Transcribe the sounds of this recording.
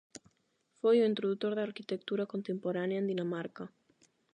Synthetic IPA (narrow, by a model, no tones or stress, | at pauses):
fojuint̪ɾoðut̪oɾðeaɾkit̪ek̚t̪uɾakont̪empoɾanjaend̪inamaɾka